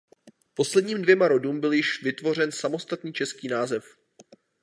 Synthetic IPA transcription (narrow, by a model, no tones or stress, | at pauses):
po̞slɛdɲiːmdvjɛmaɾo̞duːmbɪljɪʃvɪt̪vo̞r̝ɛnsamo̞st̪at̪nɲiːt͡ʃɛskiːnaːzɛf